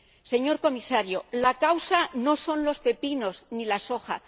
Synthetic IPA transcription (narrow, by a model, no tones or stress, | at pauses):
se̞ɲo̞ɾko̞misaɾjolakawsano̞so̞nlo̞spe̞pino̞znilaso̞xa̰